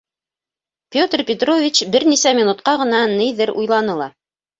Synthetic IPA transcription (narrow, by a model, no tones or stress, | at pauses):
pʲot̪rpʲɪt̪rovʲit͡ɕbɘɾnisæmʲinut̪qɑʁɤ̆nɑnɘjðɘɾujlˠɑnɤlˠɑ